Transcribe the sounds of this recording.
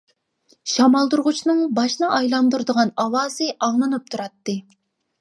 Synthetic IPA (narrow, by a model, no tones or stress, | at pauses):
ʃɑmɑlˠd̪uɾʁut͡ʃʰnɨŋbɑʃnɨʔɑjlˠɑnd̪uɾd̪əʁɑnɑwɑːz̥ɨʔɑŋlˠɨnɨp̚t̪ʰuɾɑt̪ːɨ